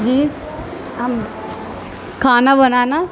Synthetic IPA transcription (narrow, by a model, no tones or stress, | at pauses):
d͡ʒiː | am | kʰaːnabənaːna